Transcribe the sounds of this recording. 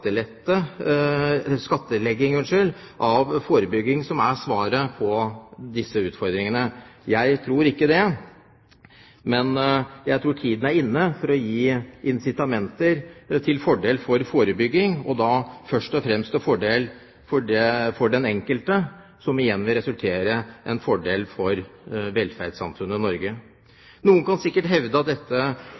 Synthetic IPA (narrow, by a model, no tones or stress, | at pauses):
əlɛt̪ːə | skɑt̪ːəlɛɡːɪŋənʂøl | ʔɑʋfoːɾəbʏɡːɪŋsɔmæʂʋɑːɾəpʰɔd̪ɪsːəʉːt̪fɔɾd̪ɾɪŋənəjæɪt̪ʰɾuːɾɪkːəd̪ɛ | mɛnjæɪt̪ʰɾuːʈʰiːd̪ən̩æɾɪnːəfɔɾɔjiːʔɪnsɪt̪ɑmɛnt̪əɾt̪ʰɪlfɔɖeːlfɔɾfoːɾəbʏɡːɪŋɔd̪ɑːfœʂʈɔfɾɛmst̪ɔfɔɖeːl | fɔɖɛfɔɖɛnɛŋkəlt̪ə | sɔmʋɪjɛnːʋɪlɾɛsʉlt̪ʰeːɾəʔɛnfɔɖeːlfɔɾʋɛlfæɾɖ̪sɑ̰nt̪ʰɾʉnənɔɾɡə | nuːənkʰɑnsɪkːəʈɦɛʋd̪əɑt̪̚d̪ɛt̪ːə